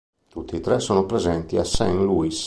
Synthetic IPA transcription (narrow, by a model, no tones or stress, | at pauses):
t̪ut̪ːit̪ɾɛsoːnopɾezɛnt̪iasɛŋluis